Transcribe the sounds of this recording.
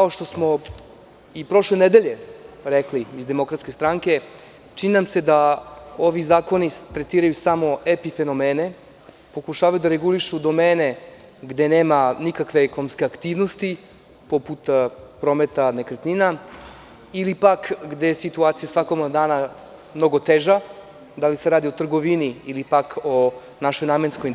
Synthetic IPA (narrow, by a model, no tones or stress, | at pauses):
kaoʃt̪o̞smo̞ | ipɾo̞ʃle̞ned̪eʎeɾekliizd̪emo̞kɾat̪skʲe̞st̪ɾaŋke̞ | t͡ʃininamse̞d̪ao̞ʋizaːko̞nit̪ɾet̪iːɾajusamo̞epife̞no̞meːne̞ | po̞kuʃaːʋajud̪aɾeɡuliʃud̪o̞meːne̞ | ɡd̪e̞neːmanikakʋe̞ɛkonomskʲeakt̪iːʋnost̪i | po̞put̪pɾo̞met̪anekɾet̪nina | ilipakɡd̪e̞jesit̪uaːt̪sijasʋakomad̪aːna | mno̞ɡot̪eʒa | d̪alise̞ɾaːd̪iot̪r̩ɡo̞ʋiniilipako | naʃo̞jnaːmenskoj